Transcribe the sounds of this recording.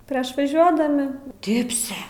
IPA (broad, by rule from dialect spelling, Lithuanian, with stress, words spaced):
ˈpʲrʲiɛʃ ʋɐˈʒʲuɔdɐmʲɪ ˈdʲɪpʲsʲɛ